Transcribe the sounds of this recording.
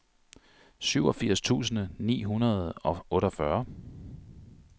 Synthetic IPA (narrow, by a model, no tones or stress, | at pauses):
syʊɒ̽fiɐ̰st͡sʰṵːs̬n̩ənḭːɦunɐð̩ˠɒ̽ɔ̽ːɾɒfɶɐ